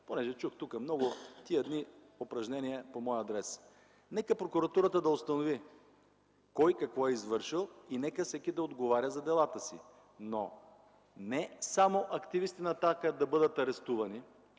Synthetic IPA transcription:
ponɛʒɛt͡ʃuxt̪ukəmnɔɡʊt̪iəd̪ni | opɾɐʒnɛniɛpomɔjɐd̪ɾɛs | nɛkəpɾokuɾɐt̪uɾət̪əd̪ɐost̪ɐnovi | kɔjkɐkvɔɛizvɤɾʃilˠinɛkəsɛkʲid̪ɐod̪ɡovaɾʲəzɐd̪ɛlˠat̪əsḭ | no | nɛsamoʔɐkt̪ivist̪inɐːt̪akəd̪ɐbɤd̪ət̪ɐɾɛst̪uvɐni

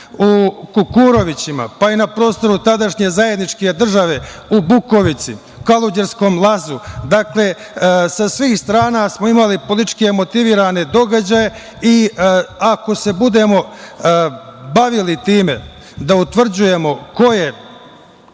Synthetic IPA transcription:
ukukuɾo̞ʋit͡ɕima̰painapɾo̞ːst̪o̞ɾut̪ad̪aʃɲe̞zaje̞d̪nit͡ʃke̞d̪r̩ʒaʋe̞ubuko̞ʋit̪sḭ | ukalˠud͡ʑeɾsko̞ːmlˠazud̪akle̞ | sasʋiːxst̪ɾaːnasmo̞imalipo̞lit͡ʃkemo̞t̪iʋiːɾane̞d̪o̞ɡad͡ʑaje̞ | iako̞se̞bud̪e̞mo̞ | baʋilit̪iːme̞ | d̪aut̪ʋr̩d͡ʑuje̞mo̞ko̞je̞

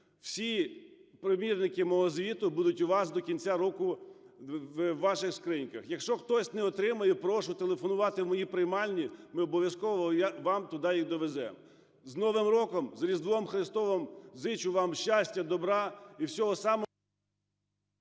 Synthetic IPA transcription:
w̥sʲipɾɔmʲirnɪkɪmɔɦɔzʋʲit̪ʊbud̪ʊtʲʊʋɑsd̪ɔkʲinʲt͡sʲaɾɔkʊ | ɑʃɪxskɾinʲkɐxjɐkʃt͡ʃɔxt̪ɔsʲnɛɔt̪ɾɪmɐjɛpɾɔʃʊt̪elˠefɔnʊʋɑt̪ɪwmɔjipɾɪjmɑlʲnʲimɪɔbɔʋʲjɐskɔʋɔjʋɑmt̪ʊd̪ɑjixd̪ɔʋezɛ̰m | znɔʋɪmɾɔkɔmzɐɾʲizd̪ʋɔɔmxɾɪst̪ɔʋɔmzɪt͡ʃʊʋɑmʃt͡ʃasʲtʲɐd̪ɔbɾɑiwsʲɔɦɔsɑmɔ

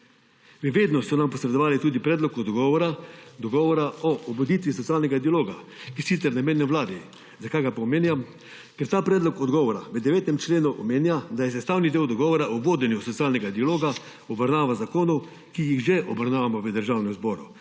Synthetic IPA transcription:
miʋeːd̪nɔsɔnampɔsɾɛd̪ɔʋaːlit̪uːd̪ipɾɛːd̪lɔkɔd̪ɡɔːʋɔɾad̪ɔɡɔʋɔɾaɔʔɔbod̪it̪ʋisɔt̪sijaːlnɛɡad̪ialoːɡa | kisit̪sɛɾnamenjɛʋlaːd̪i | zakajɡapaɔmeːnjam | kɛɾt̪aːpɾɛːd̪lɔkɔd̪ɡɔːʋɔɾaʋəd̪ɛʋeːt̪ɛmt͡ʃleːnuʔɔmeːnjad̪ajɛs̬ɛst̪aːwnid̪eːwd̪ɔɡɔːʋɔɾaʔɔboːd̪ɛnjusɔt̪sijaːlnɛɡad̪ialoːɡa | ɔbaɾnaːʋazakoːnu | kijixʒɛʔɔbaɾnaːʋamɔʋəd̪əɾʒawnɛmzbɔːɾu

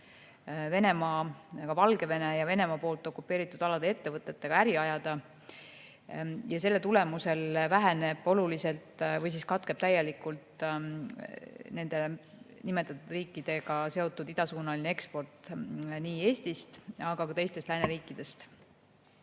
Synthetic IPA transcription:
ve̞ne̞mɑːkɑvɑlɡ̥e̞ve̞nejɑve̞ne̞mɑpo̞ːlt̪ːˑo̞kːˑupːe̞ːɾit̪ːˑud̪̥ɑlɑd̪ee̞t̪ːe̞vɤt̪ːˑe̞t̪ːe̞ɡ̥ɑæɾiɑjɑd̪̥ɑ | jɑse̞lːet̪ule̞muse̞lvæɦene̞b̥o̞lulise̞lt̪ˑvɤjs̬iskɑt̪ˑkeb̥̚t̪æjːe̞likːult̪ | ne̞nd̪̥e̞ | nime̞t̪ːˑɑt̪ːˑud̪̥riːkːˑid̪̥e̞ɡɑse̞o̞t̪ːˑud̪id̪̥ɑsuːnɑlinee̞kspo̞rt̪ˑniːe̞ːst̪ist̪ɑɡ̥ɑkɑt̪e̞jst̪e̞st̪læːneɾiːkˑːid̪̥e̞st̪

